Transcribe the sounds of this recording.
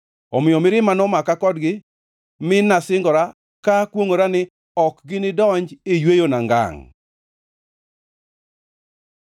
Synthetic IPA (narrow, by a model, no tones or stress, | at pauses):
ɔmɪɔmɪɾɪmanɔmakakɔdɡɪ | mɪnasɪŋɡɔɾa | kakwoŋoɾanɪ | ɔkɡɪnɪdɔɲd͡ʒɪjwejonaŋɡa̰ŋ